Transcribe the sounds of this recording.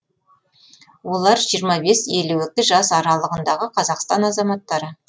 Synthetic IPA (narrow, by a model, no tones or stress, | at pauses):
wo̞lˠɑɾʒijəɾmɑbe̞seluwɪk̚t̪ːɪʒɑsɑɾɑlˠəʁənd̪ɑʁəqʰɑzɑqst̪ɑnɑzɑmɑt̪ːɑɾə